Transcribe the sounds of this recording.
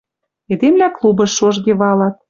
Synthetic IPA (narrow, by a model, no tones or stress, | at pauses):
ed̪emlʲæklubɤ̆ʃːoʒɣeβɑlɑt̪̚